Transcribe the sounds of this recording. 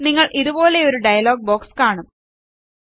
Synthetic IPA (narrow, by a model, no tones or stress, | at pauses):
niŋːɐɭʔiðubo̞ːle̞oɾuɖɐjɐlo̞ːɡ̚bo̞ːkskaːɳum